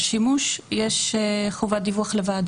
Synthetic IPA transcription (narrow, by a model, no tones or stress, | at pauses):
ʃimuʃjeʃχovad̪ivuaχlevad̪